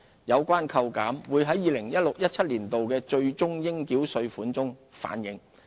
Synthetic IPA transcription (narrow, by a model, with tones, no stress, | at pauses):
jɐ˨˧wkʷaː˥nkʰɐ˧wkaː˨˥mwuː˨˧jɦɐ˨˥jːiː˨˧lɪ˨˩ŋjɐ˥t̚lʊ˨k̚jɐ˥t̚t͡sʰɐ˥t̚liː˨˩nt̪o˨wkɛː˧t͡ʃɵ˧ɥt͡sʊ˥ŋjɪ˥ŋkiː˨˥wsɵ˧ɥfuː˨˥nt͡sʊ˥ŋfa̰ː˨˥njɪ˨˧˥ŋ